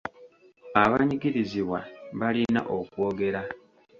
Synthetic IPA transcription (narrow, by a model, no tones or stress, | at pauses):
aβaɲiɡiɾiziβwaβalina̰ʔo̞kwo̞ːɡe̞ɾa